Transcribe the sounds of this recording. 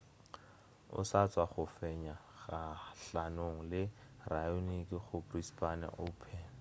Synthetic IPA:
ʊ̰sat͡sʼwaχʊfɛɲaɣaɬanoŋ̩lɪrajonikʼiχʊprispana̰ʔoːpʰɛn

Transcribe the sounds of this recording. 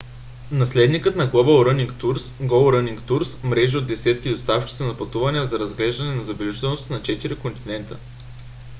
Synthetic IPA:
nɐslɛd̪nikət̪nɐɡlˠɔbəlˠɾəniŋkt̪uɾsɡɔlˠɾəniŋkt̪uɾsmɾɛʒiod̪̚d̪ɛsɛt̪kʲid̪ost̪afkʲi̥sɛnɐpɐt̪uvɐniəzɐɾɐzɡlɛʒd̪ɐnɛnɐzɐbɛlɛʒit̪ɛlnost̪ɐnɐt͡ʃɛt̪iɾikont̪inɛnt̪ə

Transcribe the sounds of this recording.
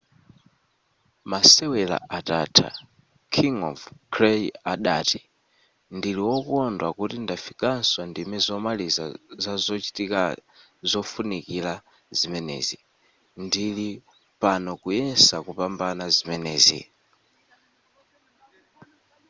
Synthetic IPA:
masɛwɛla̰ʔatatʰa̰ | kʰiŋɔ̰vkʰɾɛjaɗati | ndiliwɔkuɔndwakutindafikanswandimizɔmaliza̰zazɔt͡ʃi̥tika | zɔfunikila | zimɛnɛ̰zi | ndili | panɔkujɛnsakupambanazimɛnɛ̰ːzḭ

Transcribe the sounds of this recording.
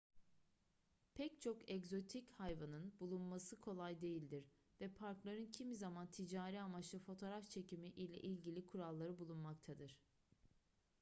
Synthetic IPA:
pʰɛct͡ʃʰo̞kɛkzo̞t̪ʰichajvanɯnbulˠunmasɯkʰo̞lˠajd̪e̞jilʲd̪iɾ | vɛpʰaɾklˠaɾɯncʰimizamant̪ʰid͡ʒaːɾiamat͡ʃ̪ˠɯfo̞t̪ʰo̞ːɾaft͡ʃʰe̞cimiʔilʲɛ̰ʔilʲɟilʲikʰuɾalˠːaɾɯbulˠunmak̚t̪ʰad̪ɯɾ̥

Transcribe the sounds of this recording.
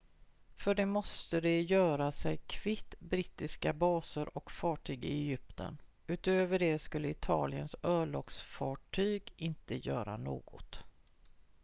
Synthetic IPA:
fœɖɛmɔst̪əd̪ɛjœːɾasɛjkʰvɪt̪ːbɾɪt̪ːɪskabɑːsəɾʔɔkfɑːʈʰyːɡɪ̰ɛjʏpt̪ʰə̰n | ʉ̟ːt̪øːvəɖɛskɵlːəɪt̪ʰɑ̰ːlɪənsœːɭɔksfɑːʈʰyːɡɪnt̪əjœːɾa̰no̰ːɡɔt̪

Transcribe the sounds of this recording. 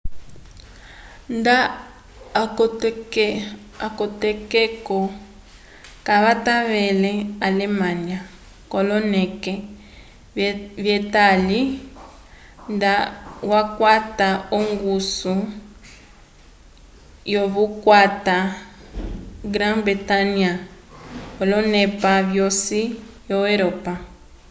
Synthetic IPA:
nda | k | akɔtɛkɛkɔ | kaβataβɛlɛalɛmãnja | kɔlɔnɛkɛ | βjɛtali | ndawakwataoŋɡusu | joβukwata | ɡɾãŋbɾitania | kolɔnɛpaβjosi | joeɾopa

